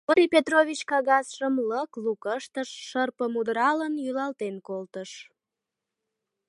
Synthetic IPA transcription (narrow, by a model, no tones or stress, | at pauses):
oɾʲipʲet̪roβʲit͡ɕkɑɣɑsʃəmləklukəʃt̪əʃːərpəmud̪əɾɑlənjylɑlt̪enkolt̪əʃ